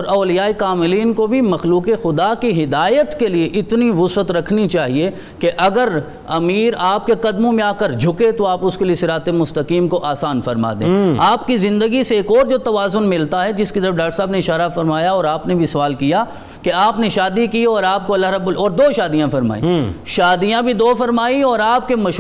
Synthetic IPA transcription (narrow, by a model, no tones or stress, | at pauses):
ɔːɾɔːlijaːikaːmɪliːnkobʱimɐxluːkexʊd̪akiɦɪd̪aːjət̪kelieʔɪt̪niɾʊswət̪ɾɐkʰnit͡ʃaːɦie | keʔɐɡəɾ | ɐmiːɾaːp̚keqɐd̪mõmẽaːkəɾd͡ʒʱʊket̪oaːpʊskeliesɪɾaːt̪emʊst̪ɐkiːmkoʔaːsaːnfɐɾma̰ːd̪ḛ̃ːaːpkizɪ̃nd̪əɡiseːkɔːɾd͡ʒoːt̪ɐʋaːzʊnmɪlt̪aɦɛd͡ʒɪskit̪ɐɾəfɖaːk̚ʈəɾsaːbneɪʃaːɾafɐɾmaːjaɔːɾaːpnebʱisɐʋaːlkija | keaːpneʃaːd̪ikiɔːɾaːp̚koɐlːaɦɾɐbolɔːɾd̪oːʃaːd̪ijãfɐɾma̰ːḭʃaːd̪ijãbʱid̪oːfɐɾmaːiɔːɾaːp̚kemɐʃ